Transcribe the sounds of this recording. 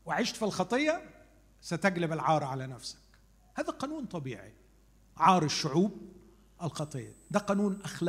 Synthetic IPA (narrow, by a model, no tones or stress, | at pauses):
wɪʕɪʃt̪filxɑt̪ˤɨjːɑ | sat̪aɡlɪbɪlʕɑːɾˤʕalanafsḁk | haːðaqɑːnuːnt̪ˤɑbḭːʕḭ | ʕɑːɾˤɪʃːʊʕuːb̚ | ʔɪlxɑt̪ˤɨjːɑd̪æqɑːnuːnʔaxla